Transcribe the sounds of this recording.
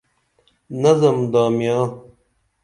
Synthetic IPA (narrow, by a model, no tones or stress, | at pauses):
nɐzɐmd̪aːmjaː